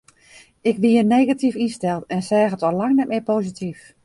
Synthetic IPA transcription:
ɪkʋiəneːɣatifinstɛlˠtɛnsɛːɣətɔlaŋnɛt̚mɪpoːzitʰif

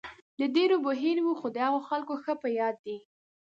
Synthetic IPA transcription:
d̪əɖeɾobʊɦeɾwuxod̪əhaɣoxalkoxəpəjɑd̪ːi

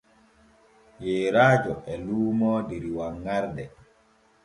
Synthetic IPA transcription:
jeːɾaːd͡ʒɔʔɛluːmɔːdeɾiwaŋːaɾdɛ

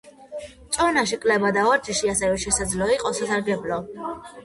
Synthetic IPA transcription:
t̪t͡ʃ̪ʼɔnaʃ̬ikʼlɛbad̪aɔɾd͡ʒiʃiasɛvɛʃɛsad̪zlɔiqʼɔsasaɾɡɛblɔ

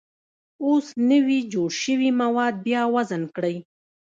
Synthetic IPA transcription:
osnəwid͡ʒoɽʃəwimawɑd̪̚bjɑwazankɽəj

